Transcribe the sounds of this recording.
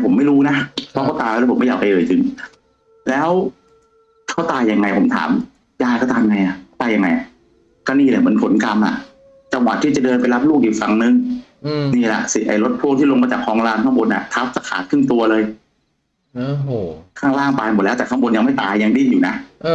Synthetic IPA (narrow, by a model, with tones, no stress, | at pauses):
pʰo˩˦mːa˥˩jɾuː˦˥na˦˥ʔpʰɔː˦˥kɔː˥˩t̪aː˧jɛː˧˥pʰo˨˩˦ma˥˩jaː˨˩pʰa˧jʔɤː˨˩t͡ɕɯ˧ŋ | lɛː˦˥w | tk̪ʰaː˥˩wt̪aː˧jːa˧ŋːa˧jpʰo˩˦mt̪ʰa̰ː˩˦m | jaː˧˩jkɔː˥˩t̪aː˧m˧ŋa˧jʔa˨˩ʔ̪aː˧ja˧ŋːa˧ja˨˩ | kɔː˧˥˩niː˥˩lmɯ˩˦npʰo˨˩˦nka˧mʔa̰˨˩ʔ | t͡ɕa˧ŋwa˨t̪ʰːiː˥˩t͡ɕa˨˩dɤː˧np̬a˧jla˦˥p̚luː˥˩k̚ʔiː˨˩fa˧ŋnɯ˧˩ŋ | niː˥˩lɛ̰˨˩ʔsi˨˩ʔa̰˨˩jlo˦˥t̪̚pʰu˥˩˨ŋt̪ʰiː˥˨lo˧ŋmaː˧t͡ɕaː˨˩kʰːɔː˧˥ŋlaː˧nkʰa˥˩mbo˧nʔa̰˨˩t̪ʰa˦˥p̚t͡ɕa˨˩kʰaː˩˦t̪̚kʰɯ˥˩ŋt̪u˧ɐlɤː˧j | kʰaː˥˩ŋɾaː˥˩ŋp̪aː˧jmo˨˩t̪̚lɛː˧˦˥wt̪ɛː˨˩kʰa˥˩mbo˧nja˧ŋma˥˩jt̪aː˧jːa˧ŋdi˧˥˩njuː˨˩na˦˥ʔ